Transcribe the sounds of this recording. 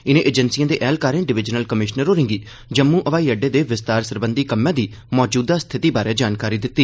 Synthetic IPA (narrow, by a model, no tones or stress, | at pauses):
ɪnẽːʔeːd͡ʒənsijãːd̪eːʔɛːlkaːɾẽːɖɪʋɪd͡ʒnəlkəmɪʃnəɾoːɾɪ̃ŋɡiː | d͡ʒəmːũːʔəʋaːiːəɖeːd̪eːʋɪst̪aːɾsəɾbənd̪iːkəmːjãːd̪iː | mɔːd͡ʒuːd̪aːst̪ʰɪt̪iːbaːɾeːd͡ʒaːnkaːɾiːd̪ɪt̪ːiː